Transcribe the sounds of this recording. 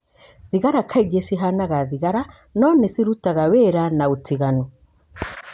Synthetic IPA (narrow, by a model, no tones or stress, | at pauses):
ðiɣaɾakʰaiɣesiɦanaɣaðiɣaɾa | nɔnesiɾutaɣaweɾanaotiɣanɔ